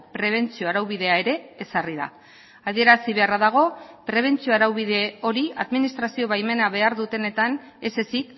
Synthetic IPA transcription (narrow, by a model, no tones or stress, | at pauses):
pɾe̞β̞e̞nt͡sioaɾawβ̞ið̞e̞ae̞ɾe̞ːsariða̰ | aðie̞ɾasiβe̞araðaɣ̞o̞pɾe̞β̞e̞nt͡sio̞aɾawβiðe̞o̞ɾiaðminist̪ɾasio̞βajme̞naβe̞aɾðut̪e̞ne̞t̪an | e̞se̞sik